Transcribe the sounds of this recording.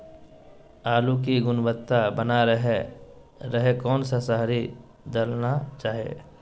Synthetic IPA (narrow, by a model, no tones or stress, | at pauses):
aːluk̬iɡʊnbət̪ːabənaɾɦ | ɾəɦekɔːnsasaɦɾi | d̪əlnat͡ʃaːɦiḛː